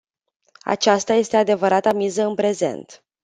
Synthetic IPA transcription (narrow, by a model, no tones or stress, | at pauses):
a̰t͡ʃast̪aje̞st̪e̞ad̪e̞vəɾat̪amizəɨnpɾe̞ze̞̰nt̪